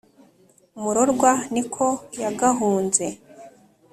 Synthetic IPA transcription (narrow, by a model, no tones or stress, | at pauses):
umuɾoɾɡwanikʰo̞jaɡaɦuːnze̞